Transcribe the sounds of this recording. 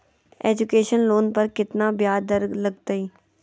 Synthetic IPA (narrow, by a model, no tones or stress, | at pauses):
ɛːd͡ʒʊkeːʃənloːnpəɾkɪt̪nãːbjaːd̪əɾɡləɡt̪aiː